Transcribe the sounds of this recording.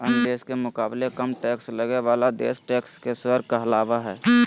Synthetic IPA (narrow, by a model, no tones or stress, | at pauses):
ənd̪eːskemʊkaːblekəmʈɛːksləɡeʋaːlad̪ḛːsʈɛːkskeswəɾ̚kaɦɐlaːʋaɦɛː